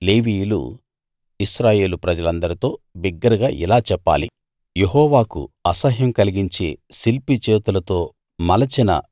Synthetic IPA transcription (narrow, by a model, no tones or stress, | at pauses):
leːʋiːjlṵ | iʃɾaːje̞ːlupɾɐd͡ʒɐlɐnd̪ɐɾit̪o̞ːbiɡːɐɾɐɡaːʔḭlaːt͡ʃɛpːa̰ːlḭ | jeɦɔːʋaːkṵɐsɐɦjɐmkɐliɡiɲt͡ʃe̞ːsilpit͡ʃeːt̪ulɐt̪o̞ː | mɐlɐt͡ʃinɐ̰